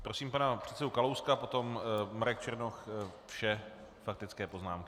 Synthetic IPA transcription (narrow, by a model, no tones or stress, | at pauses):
pɾo̞siːmpanapr̥ɛt̪sɛdukalowskapo̞t̪o̞mmaɾɛkt͡ʃɛɾnoxfʃɛ | fak̚t̪ɪtt͡skɛːpo̞znaːmkɪ